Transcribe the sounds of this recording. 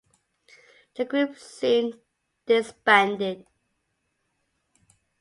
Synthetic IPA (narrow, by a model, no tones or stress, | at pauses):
ðəɡɹʉpsĩn | d̥ɪsbæ̃ndɪd̥̚